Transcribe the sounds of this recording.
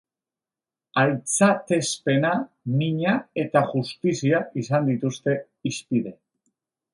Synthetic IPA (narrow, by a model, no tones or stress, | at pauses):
ajt͡sat̪e̞spe̞na | miɲae̞t̪aʝust̪isiaʔisand̪it̪ust̪e̞ | ispiðe̞